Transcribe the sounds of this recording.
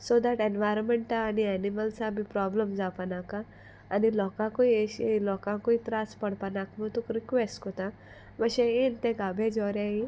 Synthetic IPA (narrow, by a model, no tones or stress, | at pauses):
sod̪aʈenʋaːjɾɔnmeɳʈaːniɛniməlsabʱipɾɔːbləmd͡ʒaːpanaːkaː | nilɔːkãkoieʃilɔːkãkoit̪ɾaːspɐɽ̤panakmut̪ukɾikʋesʈkot̪ã | ʋɐʃeent̪ẽkabʱed͡ʒɔɾãĩ